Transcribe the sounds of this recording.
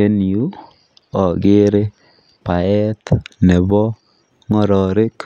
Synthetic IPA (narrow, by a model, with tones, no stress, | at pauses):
e˦ni˨u˦ | ɔ˨ɡe˦ɾe˦ | pa˨ɛ˦t̪ne˨bɔ˦ | ŋɔ˦ɾɔ˨ɾe˦k